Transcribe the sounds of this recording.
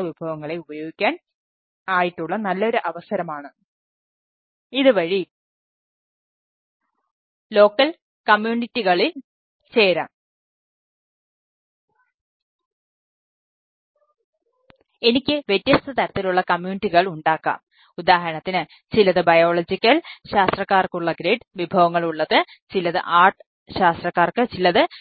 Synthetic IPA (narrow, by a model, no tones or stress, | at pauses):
ɐʋibʱɐʋɐŋːɐɭe̞ubɐjo̞ːɡikʲːaːn | aːjiʈːuɭːɐnɐlːɐo̞ɾuʔɐʋɐsɐɾɐmaːɳɨ | iðɨʋɐɻi | lo̞ːkːɐl | kɐmjuːnitːiɣɐɭil | t͡ɕe̞ːɾa̰m | e̞nikʲːɨʋet̪ːjɐst̪ɐt̪ɐɾɐt̪ːiluɭːɐkɐmjuːnitːiɣɐɭuɳɖaːkːa̰ːm | ud̪aːɦɐɾɐɳɐt̪ːinɨ | t͡ɕilɐðɨbɐjo̞ːɭɐd͡ʑikʲːɐlɕaːst̪rɐkːaːrkuɭːɐɡɾeːɖʋibʱɐʋɐŋːɐɭuɭːɐðɨ | t͡ɕilɐðɨ̰ʔaːrʈɨ̥ | ɕaːst̪rɐkːaːrkɨt͡ɕilːɐðɨ